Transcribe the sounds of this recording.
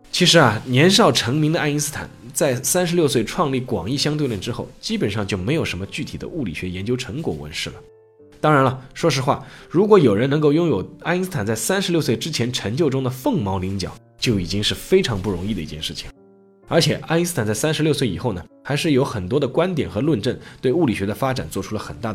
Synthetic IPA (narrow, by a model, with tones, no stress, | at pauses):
t͡ɕʰi˧˥ʂɻ̩˧˥ɐ˨njɛ˧˥nʂ̬ɑ˥˩ʊʈ͡ʂʰɤ˧˥ŋmi˧˥ŋd̪ə˧a˥ni˥sɹ̩˥t̪ʰa̰˨˩nt͡sa˥˩ɪsa˥nʂɻ̩˧˥ljo˥˧ʊs̬we˥˧ɪʈ͡ʂʰwɑ˥˧ŋli˥˩kwɑ̰˨˩ŋi˥˩ɕjɑ˥ŋt̪we˥˧ɪɻə˥˩nʈ͡ʂɻ̩˥xo˥˩ʊt͡ɕi˥pə˨˩nʂɑ˥˧ŋt͡ɕjo˥˩ʊme˧˥ɪjo˨˩ʂə˧˥nmə˧t͡ɕy˥˩t̪ʰi˨˩d̪ə̰˦ʔu˥˩li˨˩ɕɥɛ˧˥jɛ˧˥nt͡ɕjo˥ʊʈ͡ʂʰɤ˧˥ŋkwɔ̰˨˩wə̰˧˥nʂɻ̩˥˩lə˩ | t̪ɑ˥ŋɻa˧˥nlɐ˧ʂwɔ˥ʂɻ̩˧˥xwa̰˥˩ɻu˧˥kwɔ˧˥jo˨˩ʊɻə˧˥nɤ˧˥ŋko˥˧ʊjʊ˥ŋjo˨˩ʊa˥i˥s̩˥t̪ʰa˨˩nt͡sa˥˩ɪsa˥nʂɻ̩˧˥ljswe˥˩ɪʈ͡ʂɻ̩˥t͡ɕʰjɛ˧˥nʈ͡ʂʰə˧˥ŋt͡ɕjo˥˧ʊʈ͡ʂʊ˥ŋd̪ə˨fɤ˥˩ŋmɑ˧˥ʊli˧˥ŋt͡ɕjɑ̰˨˩˦ʊ | t͡ɕjo˥˩ʊi˨˩t͡ɕi˥ŋʂɻ̩˥˩fe˥ɪʈ͡ʂʰɑ˧˥ŋpu˥˩ɻʊ˧˥ŋi˥˩d̪ə˩ḭ˥˧˩t͡ɕɛ˥˧nʂɻ̩˥˩t͡ɕʰi̥˨˩ŋ | ə˞˧˥t͡ɕʰjɛ˨˩ʔa˥i˥sɹ̩˥t̪ʰa˨˩nt͡sa˥˩ɪsa˥nʂɻ̩˧˥ljswe˥˩ɪḭ˨˩xo˥˩ʊnə˩xa˧˥ɪʂɻ̩˥˩jo˧˥ʊxə˨˩nt̪wɔ˥d̪ə˨kwa˥nt̪̬jɛ̰˨˩nxɤ˧˥lwə˥˧nʈ͡ʂə˥˩nt̪we˥˧ɪu˥˩li˨˩ɕɥɛ˧˥d̪ə˧fa˥ʈ͡ʂa̰˨˩nt͡swɔ˥˩ʈ͡ʂʰu˥lə˨˩xə̰˨˩nt̪a˥˩